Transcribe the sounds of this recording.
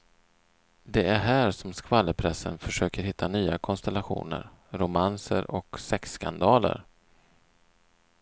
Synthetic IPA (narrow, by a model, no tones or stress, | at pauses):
d̪ɛæɾɦæːɾʂɔmskvalːəpʰɾɛsːənfœʂøːkəɾhɪt̪ʰːanyːakʰɔnst̪ɛlːaɧṵːnə̰ɾ | ɾʊmansəɾɔksɛksːkand̪ɑːlə̰ɾ